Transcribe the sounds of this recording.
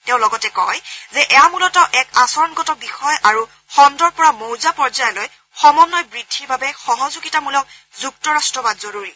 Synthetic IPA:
tɛʊ̃lɔɡɔtɛkɔ̰jzɛʔɛjamulɔtɔʔɛkasɔɹɔnɡɔtɔbixɔjʔaɹu | xɔndɔɹpɔɹamowzapɔɹzajloj | xɔmɔnːɔjbɹid̥ʱːiɹbʱabɛxɔɦɔzuɡitamulɔʊ | zuk̚tɔɹastɹɔbadzoɹuɹi

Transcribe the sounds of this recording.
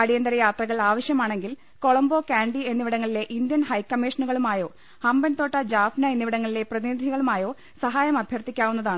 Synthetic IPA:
ɐɽijɐnd̪ɐɾɐjaːt̪rɐɣɐɭaːʋɐɕjɐmaːɳe̞ŋɡil | ko̞ɭɐmbo̞ːkaːɳɖie̞nːiʋiɽɐŋːɐɭile̞ʔind̪jɐnhɐjkːɐmːeːʂɐnuɣɐɭumaːjo̞ː | hɐmbɐnt̪o̞ːʈːɐd͡ʑaːfnɐenːiʋiɽɐŋːɐɭile̞prɐðinid̪ʱiɣɐɭumaːjo̞ː | sɐɦaːjɐmɐbʱjɐrt̪ikʲːaːʋunːɐðaːɳɨ

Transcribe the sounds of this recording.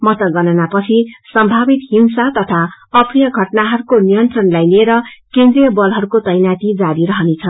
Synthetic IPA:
mʌt̪ʌɡʌnʌnapʌt͡sʰisʌmbʱabit̪ɦinsat̪ʌt̪ʰaʌpʰrijʌɡʱʌʈnaɦʌɾukonijʌnt̪rʌnlajlieɾʌkend̪rijʌbʌlɦʌɾukot̪ʌjnat̪id͡zaɾiɾʌɦʌnet͡sʰʌn

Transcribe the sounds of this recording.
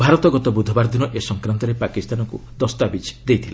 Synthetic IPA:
bʱaɾɔt̪ɔɡɔt̪ɔbud̪ʱɔbaɾd̪inɔʔesɔŋkɾant̪ɔɾepakist̪anɔkud̪ɔst̪abit͡ʃd̪ejt̪ʰila

